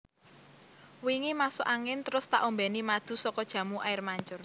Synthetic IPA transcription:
wiŋimasʊʔaŋɪnt̪əɾʊst̪aʔombɛnimad̪̥ṳsɔkɔd̥ʒ̥ä̤muʔajɪrmaɲt͡ʃʊr

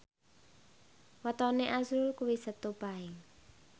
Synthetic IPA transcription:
wɔt̪ɔneʔasɾulkuwisət̪ob̥aɪŋ

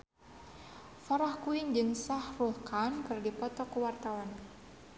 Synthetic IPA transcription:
faɾahkuɪɲd͡ʒɨŋsahruhkankɨrdipɔt̪ɔkuwart̪awan

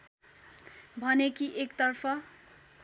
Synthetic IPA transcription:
bʱʌnekiʔekt̪ʌrpʰʌ

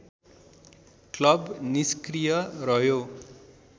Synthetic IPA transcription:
klʌbniskrijʌrʌɦjo

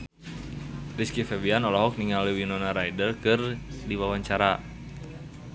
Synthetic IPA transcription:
riskifɛbianɔlɔɦɔk̚niŋaliwinɔnaɾajdərkɨrdiwawaɲt͡ʃaɾa

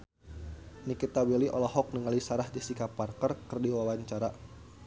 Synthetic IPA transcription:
nikit̪awɛliʔɔ̰lɔɦɔk̚nəŋalisaɾahdisikaparkərkɨrdiwawaɲt͡ʃaɾa

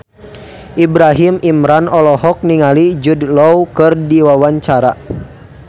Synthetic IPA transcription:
ʔibɾaɦimimɾanɔlɔɦɔk̚niŋalid͡ʒudlɔwkɨrdiwawaɲt͡ʃaɾa

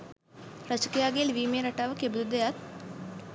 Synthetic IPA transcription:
ɾət͡ʃkejaɡelʋiːmeɾəʈaʋəkebd̪ud̪əjat̪̚

